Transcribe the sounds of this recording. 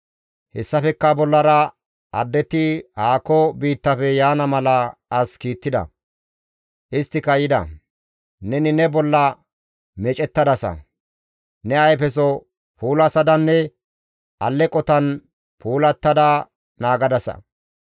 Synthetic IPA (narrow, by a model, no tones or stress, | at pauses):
hɛsːɐfɛkːɐbɔlːɐɾɐ | ɐd̪ːɛt̪ːɪhaːkːɔbiːt̪ːɐfɛjaːnɐmɐlɐɐskiːt̪ːɪd̪ɐ̰ | ʔɪst̪ːɪkɐjɪd̪ɐ̰ | nɛnɪnɛbɔlːɐ | mɛt͡ʃʼɛt̪ːɐd̪ɐsɐ̰ | nɛɐjfɛs̬ɔ | puːlɐsɐd̪ɐnːɛ | ʔɐlːɛkʼɔt̪ɐn | pʰuːlɐt̪ːɐd̪ɐ | naːɡɐd̪ɐsɐ̰